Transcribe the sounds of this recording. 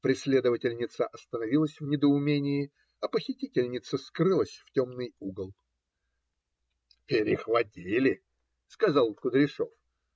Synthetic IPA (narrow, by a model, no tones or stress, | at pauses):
pɾʲɪsʲlʲe̞d̪əvətʲɪlʲnʲɪt̪səʔɐst̪ənɐvʲilˠəsʲvnʲɪd̪əʊmʲenʲɪɪ | ɐpəxʲɪtʲitʲɪlʲnʲɪt̪səskrɨlˠəsʲftʲo̞mnɨjuɡəlˠ | pʲɪɾʲɪxvɐtʲilʲɪ | skɐzɑlˠkʊd̪ɾʲɪʂo̞̰f